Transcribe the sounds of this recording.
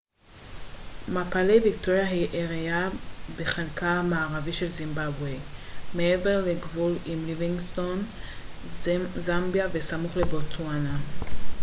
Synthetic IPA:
mapalejvikto̞ʁjaɦiʔeʁejabeχenkʰaamaːʁaviʃe̞lzimbabwemeeveʁleɡvulimliviŋsto̞n | zambjave̞samuχlebot͡swana

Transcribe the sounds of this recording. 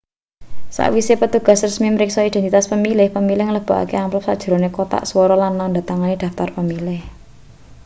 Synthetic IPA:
sa̰ʔwisepət̪uɡ̥a̤srəsmiməɾɪksɔid̪̥ɛ̤nt̪it̪aspəmilɪhpəmilɪhŋələb̥a̤ʔa̰keamplɔp̚sad̥ʒ̥̤ɾo̤nekot̪a̰ʔswɔɾɔlanːɔnɳdat̪aŋanid̪̥a̤ft̪arpəmilɪh

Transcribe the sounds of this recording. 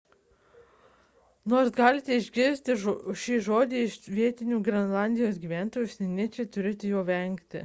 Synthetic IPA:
noːɾsɡɑːlʲɪt̪ʲɛɪʒʲɡʲɪɾʲsʲt̪ʲɪʃʲiːʒoːd̪ʲeːɪʃʋʲiɛt̪ʲɪnʲuːɡɾʲɛnlˠɑˑnʲd̪ʲɪjoːsɡʲiːʋʲæːˑnt̪oːjuʊːsʲɛnʲɪt͡ʃʲeːt̪ʊɾʲɪt̪ʲɪjoːʋʲɛŋʲkt̪ʲɪ̰

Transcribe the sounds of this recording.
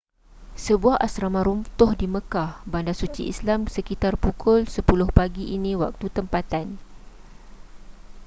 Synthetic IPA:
səbuahasɾamãɾumt̪ʊhdimə̃kahbandasut͡ʃḭʔḭslamsəkit̪arpukʊlsəpulʊhpaɡiʔinĩwa̰k̚t̪ut̪əmpat̪an

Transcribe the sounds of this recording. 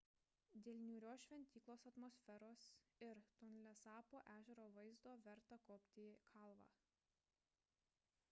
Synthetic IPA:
d̪ʲeːlʲnʲuːɾʲoːʃʲʋʲɛnʲt̪ʲiːklˠoːsɐt̪mɔsʲfʲɛɾoːsɪɾt̪ʊnʲlʲɛsɑːpoːʔæːʒʲɛɾoːʋɐɪzd̪oːʋʲɛɾt̪ɐkoːpʲt̪ʲiːkʰɐˑlˠʋɑ̰ː

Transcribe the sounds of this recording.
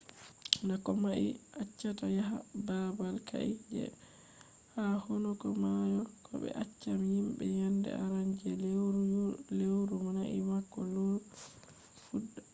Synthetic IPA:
nakɔmaʔiʔat͡ʃːatajaɦababalkʰa̰ʔid͡ʒɛ̰ | hahɔnɔkɔmajɔkʰɔ̰ɓɛ̰ʔat͡ʃːamihimbɛ̰jandɛ̰a̰ɾaɲd͡ʒɛɾlewɾumanaʔimakːɔlo | fudːa

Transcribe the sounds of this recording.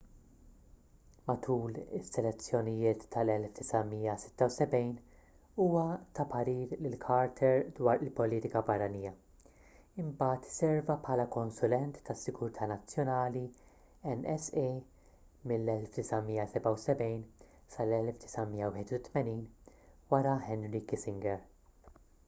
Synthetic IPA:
mɐt̪ʰuːlɪsːɛlɛt͡sːjɔnɪjɪːt̪ːɐlɛlfd̪̥ɪsɐmiːjɐsɪ̥t̪ːɐwsɛbɛjn | uːwɐt̪ɐpɐɾiːɾlɪlkʰɐːɾt̪ʰɛɾd̪wɐːɾɪlpɔliːt̪ɪkɐbɐrːɐniːjɐ | ɪmbɐːt̪sɛɾvɐpħɐːlɐkɔnsʊlɛnt̪ːɐsːɪɡʊɾt̪ʰɐːnɐt͡sːjɔnɐːli | ɛnɛse | mɪlːɛlfd̪ɪsɐmiːjɐsɛbɐwsɛbɛjn | sɐlɛlfd̪ɪ̥sɐmiːjːɐwɪħɪt̪ut̪mɛniːn | wɐɾɐħɛnɾiːkisɪŋɡɛɾ

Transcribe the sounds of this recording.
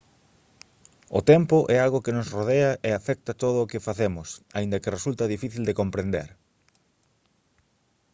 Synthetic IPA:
ʊt̪ɛmpʊʔɛalɣokɪnʊsroðeɐʔeafɛk̚t̪ɐt̪oð̞ʊːkɪfaθemʊsaĩnd̪ɐkɪresult̪ɐðifiθild̪ekompɾend̪ḛɾ

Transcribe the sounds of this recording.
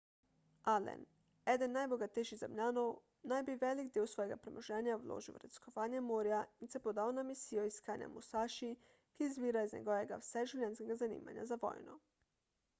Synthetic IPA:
alḛn | ed̪enːajboɡat̪ejʃizamʎaːnow | najbiʋelikd̪iːwsʋojeɡapɾemoʒeːnjawlo̰ːʒiw̰ɾed̪i̥skoʋaːɲjemoːɾjainsɛpod̪aːonamisijoiskaːɲja̰musaːʃi | kizbiːɾaiznḛɡojeɡa̰fsɛʒiwlʲɛnskeɡazanḭːma̰ɲa̰zaʋo̰ːjno

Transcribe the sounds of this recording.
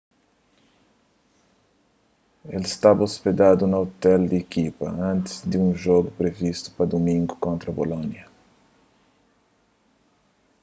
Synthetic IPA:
elɪst̪abɐosped̪ad̪ʊnɐot̪ɛld̪ɪekipɐ̰ɐ̃nt̪ɪ̥zd̪ɪũʒɔɡʊpɾevist̪ʊ̥pɾɐd̪omĩŋɡʊkõnt̪ɾɐbolõnjɐ

